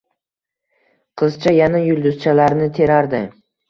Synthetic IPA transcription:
qʰɨzt͡ʃʰajanajʊlˠd̪ʊz̥t͡ʃʰalaɾnɪt̪ʰe̞ɾaɾd̪ɪ

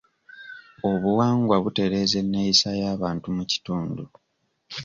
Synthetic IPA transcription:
o̞βuwaːŋɡwaβute̞ɾe̞ːze̞nːeisajaːβaːntumuci̥tuːndu

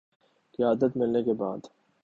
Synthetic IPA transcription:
kɪjaːd̪ət̪mɪlnekeba̰ːd̪

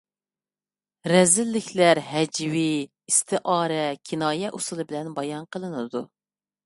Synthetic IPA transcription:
ɾɛzɪlːɪkʲʰlæɾɦɛd͡ʒwi | ist̪ʰɨʔɑːɾɛkʲʰinɑːjɛʔusɨlˠɨbɪlɛnbɑjɑnqʰəlˠɨnɨd̪u

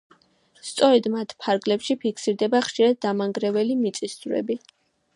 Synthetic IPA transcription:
st̪sʼɔɾɛd̪mat̪ʰpʰaɾɡlɛpʃipʰikʰsiɾd̪ɛbaχʃiɾad̪̚ːamaŋɡɾɛvɛlimit̪sʼisd̪uɾɛ̰bi

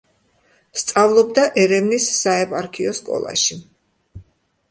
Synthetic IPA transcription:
st̪sʼavlˠɔb̚d̪aʔɛɾɛvnisːaɛpʼaɾkʰiɔskʼɔ̰lˠa̰ʃi

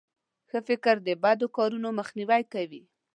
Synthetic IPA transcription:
xəfɪkɾd̪əbad̪okɑɾunoməxniwajkawi

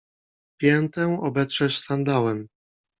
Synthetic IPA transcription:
pʲjɛnt̪ɛwɔbɛt̪sʂɛɕsand̪awɛm

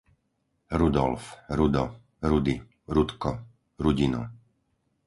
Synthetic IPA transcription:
ɾud̪ɔlfɾud̪ɔ | ɾud̪i | ɾut̪kɔ | ɾuɟinṵ

